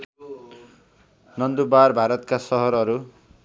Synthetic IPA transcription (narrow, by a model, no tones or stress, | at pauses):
nʌnd̪ubarbʱaɾʌt̪kasʌɦʌɾʌɾu